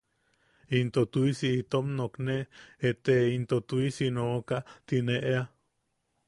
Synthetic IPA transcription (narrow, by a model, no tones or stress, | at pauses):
int̪ot̪uisiit̪omnokneet̪eint̪ot̪uisinoʔkat̪ineʔea